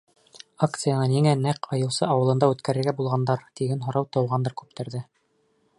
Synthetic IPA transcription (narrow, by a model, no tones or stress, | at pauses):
akt̪sɨjanɤniŋænæqɑjɤ̆w̪ˠsɤɑwɤ̆lˠɤ̆nd̪ɑʉt̪kæɾɘ̆ɾɡæbulˠʁɑnd̪ɑɾt̪iɡænɦŏɾɑwt̪ɤ̆wʁɑnd̪ɤɾkʉp̚t̪ɘ̆ɾðɘ